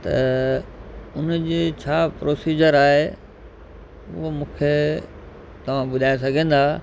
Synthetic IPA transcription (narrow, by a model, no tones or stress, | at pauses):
t̪ɐ̰ | ʊnd͡ʑeːt͡ɕʰaːpɾoːsiːd͡ʑəɾaːɦe | ʊ̰ɦomũːkʰe | t̪ɐʋ̤ãbʊd̪ʱaːjos̬ɐɡʱẽːn̆d̪aː